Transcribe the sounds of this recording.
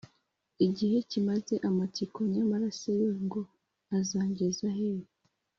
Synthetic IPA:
iɟihe̞cimaze̞ʔamatikoɲamaɾasejoŋɡo | azaːɲɡezahejo

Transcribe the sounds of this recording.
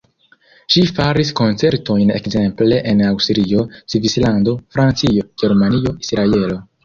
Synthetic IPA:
ʃifaɾisko̞nt͡se̞ɾto̞jne̞̰kze̞mple̞ʔenawstɾio̞sivislando̞fɾant͡sio̞ɡ̥e̞ɾmanio̞isɾae̞lo̞

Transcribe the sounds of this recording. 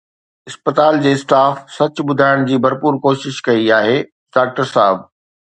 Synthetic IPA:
ɪspət̪aːld͡ʑeːsʈaːfsɐt͡ɕɓʊd̪ʱaːɪɽ̃d͡ʑiːbʱɐɾpuːɾkoːʃɪʃkɐiaːɦeː | ɖaːk̚ʈəɾsaːɦɪb̚

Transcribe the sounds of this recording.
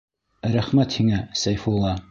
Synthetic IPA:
ɾæχmæt̪hiŋæsæjfulˠɑ

